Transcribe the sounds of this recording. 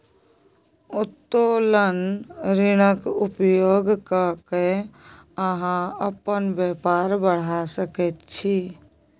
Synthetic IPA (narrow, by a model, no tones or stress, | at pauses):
ʊt̪ːolənɾɪɽ̃əkupjoɡkake | əɦãəpənbjepaɾbəɽ̤asəkɛt̪t͡ʃʰi